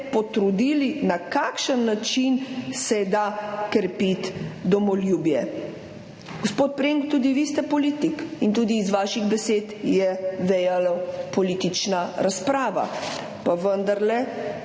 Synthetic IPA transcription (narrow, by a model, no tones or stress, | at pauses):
pɔt̪ɾud̪iːlinakakʃənːat͡ʃinsɛjd̪akɾpit̪d̪ɔmɔljuːbjɛ | ɡospoːt̪̚pɾeŋkt̪uːd̪iʋist̪ɛpɔliːt̪ikint̪uːd̪iːzʋaːʃiɣbɛseːt̪jɛʋɛjalapɔliːt̪it͡ʃnaɾaspɾaːʋa̰ | paʋənd̪aɾlɛ